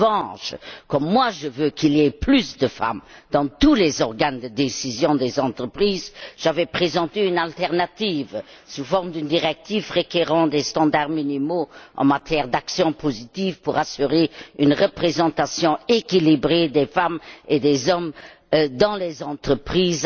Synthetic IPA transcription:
vɑ̃ʃkɔmːwaʒəvøkiliɛplysd̪əfa̰md̪̥ɑ̃t̪ulezɔʁɡand̪əd̪esizjɔ̃d̪ezɑ̃t̪χəpχiːzʒ̥avɛpχezɑ̃t̪eynalt̪ɛʁnat̪iv | sufɔʁmd̪ynd̪iʁɛk̚t̪ivʁekeʁɑ̃d̪est̪ɑ̃d̪aʁminimoʔɑ̰̃mat̪jɛʁd̪aksjɔ̃pʰozit̪ivpuʁasyʁeynʁəpχezɑ̃t̪asjɔ̃ekilibʁed̪efamed̪ezɔm | d̪ɑ̃lezɑ̃t̪χəpχiːz

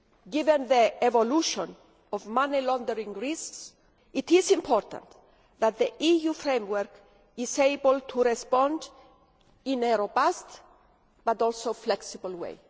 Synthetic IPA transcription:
ɡivɛ̃nðievoluʃɔ̃n | ɔvmãnilɔ̃nd̪əɾĩŋɹisks | it̪isĩmpʰɔɾt̪ã̰nt̪ | ðat̪̚ðəʔijufɾẽjmwəɾk | iseɪbəlt̪ʰuɾɛspɔ̃nd̪ | ĩneɾobast̪ | b̥at̪ɔlsoflɛksibəlwḛj

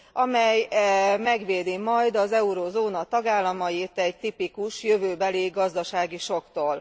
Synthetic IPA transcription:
ɒmɛjɛmɛɡʋeːd̪imɒjd̪ɒzɛuɾoːzoːnɒt̪ɒɡaːlːɒmɒjit̪ɛɟt̪ipikuʃjø̞vøːbɛliɡɒzd̪ɒʃaːɡiʃo̞kt̪oːl

